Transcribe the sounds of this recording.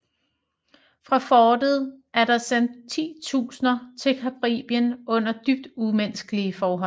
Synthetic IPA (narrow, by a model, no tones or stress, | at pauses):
fʁɑ̈fɒːd̥əð̞̩ˠʔæɐɾ̥ɑ̈sen̰d̥t͡sʰḭːt͡sʰṵːsnɐt͡sʰe̝lkʰæb̥ʁḭːb̥jənɔ̽n̰ɐd̥yb̥̚d̥umensɡ̥əliəfɒːɦɒ̰̽